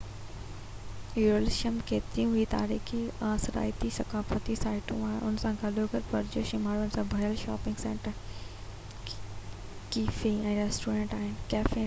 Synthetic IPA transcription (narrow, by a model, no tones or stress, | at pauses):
uɾolɪʃəmkeːt̪ɾijũɦuit̪a̰ːɾiːxiaːsɾa̰ːɪt̪isɐkaːfət̪isaːɪʈṵ̃aːɦɪnʔʊnsãɡʱɐloɡəɾpɐɾd͡ʑoʃimaːɾʊnɪsãbʱɐjəlʃaːpɪ̃ŋɡsɛ̃ːɳʈəɾ | kiːfiɛ̃ːɾɛːsʈuːɾẽːɳʈaːɦɪnɪkɛːfe